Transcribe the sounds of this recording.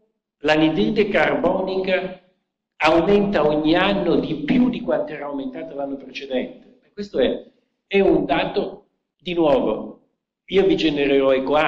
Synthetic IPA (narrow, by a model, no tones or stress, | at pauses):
laned̪ɾidekarbɔːnikaː | wment̪aoɲːianːod̪ipjud̪ikwant̪oɛːɾawment̪aːt̪alanːopɾet͡ʃed̪ɛnt̪e̥ɛkːwest̪oɛ | ɛund̪aːt̪o | d̪inwɔːvo | iːovid͡ʒeneɾeɾɔekwa